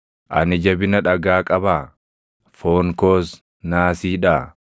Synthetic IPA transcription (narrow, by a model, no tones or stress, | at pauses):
ʔɐ̰nɪd͡ʒɐbɪnɐᶑɐɡaːkʼɐbaː | foːŋkoːs | naːsiːᶑaː